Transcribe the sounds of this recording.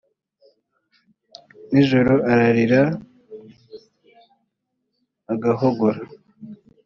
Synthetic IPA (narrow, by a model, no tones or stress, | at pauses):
niʒoɾoʔaɾaɾiɾa | ɡaɦoɡoɾa